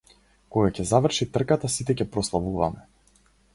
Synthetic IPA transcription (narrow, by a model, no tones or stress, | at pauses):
kɔɡacɛzavr̩ʃit̪r̩kat̪asit̪ɛcɛpɾɔslˠavuvamɛ